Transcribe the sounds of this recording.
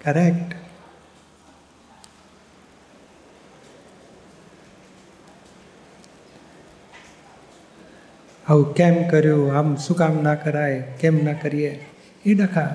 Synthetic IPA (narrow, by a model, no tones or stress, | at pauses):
kəɾɛk̚ʈ | awkemkəɾjuɦamsukamnakəɾajkemnakəɾije | iɖakʰa